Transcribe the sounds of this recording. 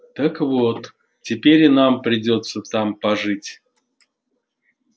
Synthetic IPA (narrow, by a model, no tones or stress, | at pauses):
t̪əkvot̪ | tʲɪpʲeɾʲɪnampɾʲɪdʲo̞t̪sət̪ampɐʐɨtʲ